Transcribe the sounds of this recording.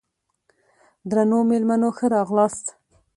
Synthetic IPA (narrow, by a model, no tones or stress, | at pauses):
d̪ɾanomelmanoxəɾɑɣlɑst̪